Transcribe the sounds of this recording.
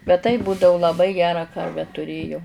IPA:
bʲɛt tɐɪp ˈbuːdɐʊ lˠɐˈbɐɪ ˈɡʲæːrɑː ˈkɐrʲʋʲæː tʊˈrʲeːjɛʊ

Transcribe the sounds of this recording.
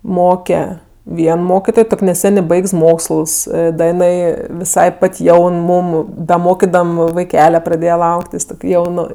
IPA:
ˈmoːkʲɛ ˈʋʲiɛn ˈmoːkʲɪtoːj ˈtoːkʲ nʲɛˈsʲæːnʲeː ˈbɐɪks ˈmoːkslˠs ˈdɐ ɪˈnɐɪ ʋʲɪˈsɐɪ ˈpɐtʲ ˈjɛʊn ˈmuːm dɐ ˈmoːkʲɪdɐm ʋɐɪˈkʲæːlʲɛ prɐˈdʲeːjɛ ˈlˠɐʊktʲɪs ˈtoːkʲ ˈjɛʊnʊ

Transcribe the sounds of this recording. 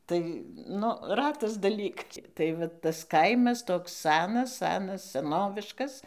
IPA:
ˈtɐɪ ˈnʊ ˈrɑːtɐs dɐˈlʲiːk tɐɪ ˈʋɐ ˈtɐs ˈkɐɪmɐs ˈtoːks ˈsɑːnɐs ˈsɑːnɐs sʲɛˈnoːʋʲɪʃkɐs

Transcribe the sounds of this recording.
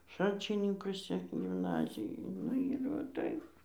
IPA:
ˈʃɐlʲt͡ʃʲɪnʲɪŋkʊsʲɪ ɡʲɪmˈnɑːzʲɪjoːj ˈnʊ ɪr ʋɐ ˈtɐɪp

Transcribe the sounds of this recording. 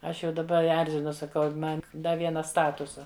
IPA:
ˈɐʃ jɛʊ dɐˈbɐ ˈɛrʲzʲɪnʊ sɐˈkɐʊ ˈmɐn ˈdɐ ˈʋʲiɛnɐ ˈstɑːtʊsɐ

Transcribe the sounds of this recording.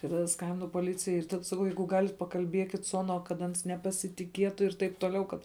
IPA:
tɐɪ tɐˈdɐ ˈskɐmʲbʲɪnʊ poːˈlʲɪt͡sʲɪjɛɪ ɪr ˈtɐt sɐˈkɐʊ ˈjɛɪɡʊ ˈɡɑːlʲɪt pɐkɐlʲˈbʲiɛkʲɪt sʊ ˈɑːnuɔ kɐt ˈɐns nʲɛpɐsʲɪtʲɪˈkʲiɛtʊ ɪr ˈtɐɪp toːˈlʲɛʊ ˈkɐt

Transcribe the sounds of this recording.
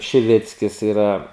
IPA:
ʃʲɪˈʋʲɪt͡sʲkʲɪs ɪˈrɐ

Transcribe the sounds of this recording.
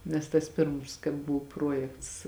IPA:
nʲɛs tɐs ˈpʲɪrms kɐɪ ˈbʊw ˈpruɔjɛkts

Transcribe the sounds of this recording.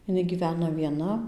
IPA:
ɪˈnɐɪ ɡʲiːˈʋʲæːnɐ ʋʲiɛˈnɐ

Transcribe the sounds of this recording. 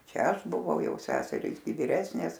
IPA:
ˈt͡ʃʲɛ ˈɐʃ bʊˈʋɐʊ ˈjɛʊ ˈsʲæːsʲɛrʲiːs ɡʲɪ ʋʲɪˈrʲæːsʲnʲeːs

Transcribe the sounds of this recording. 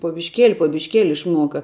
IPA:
poː bʲɪʃʲˈkʲeːlʲɪ poː bʲɪʃʲˈkʲeːlʲɪ ɪʃˈmuɔkɐ

